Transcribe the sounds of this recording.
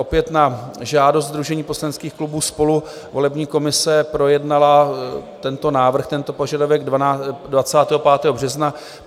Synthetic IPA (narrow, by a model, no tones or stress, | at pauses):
ʔopjɛt̪naʒaːdo̞st̪zd̪ɾuʒɛɲiːpo̞slanɛtt͡skiːxklubuːspo̞lu | vo̞lɛbɲiːko̞mɪsɛpɾo̞jɛdnalat̪ɛnt̪o̞naːvr̩xt̪ɛnt̪o̞po̞ʒadavɛɡddvat͡saːt̪ɛːɦo̞paːt̪ɛːɦobr̝ɛzna